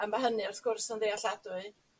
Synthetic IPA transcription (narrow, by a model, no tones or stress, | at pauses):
amaɦənɨɔrθɡ̥ʊrsɔnðeaɬadʊɨ